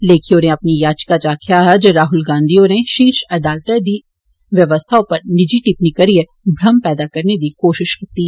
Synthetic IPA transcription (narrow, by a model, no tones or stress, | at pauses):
leːkʰionẽɐpnijaːt͡ʃkat͡ʃaːkʰjaɦɛd͡ʒɐɾaːɦʊlɡãːnd̪ʱijõneʃiːɾʃɐd̪aːlt̪ɛd̪i | ʋjɐʋəst̪ʰaõpɐɾnɪd͡ʒiʈɪpnikɐɾie | bʱɾɐmpɛːd̪akɐɾned̪ikoːʃɪʃkit̪i